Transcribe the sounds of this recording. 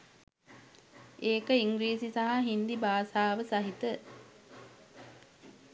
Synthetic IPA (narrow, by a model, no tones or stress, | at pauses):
eːkəiŋɡɾiːsisaɦaɦind̪ibaːsaːʋəsaɦit̪ə